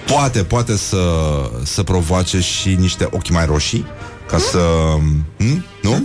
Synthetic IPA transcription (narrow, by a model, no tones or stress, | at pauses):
poat̪e̞poat̪e̞səsəpɾo̞voat͡ʃe̞ʃiniʃt̪e̞ʔo̞kʲmajɾo̞ʃi | kasə | m̩ | nu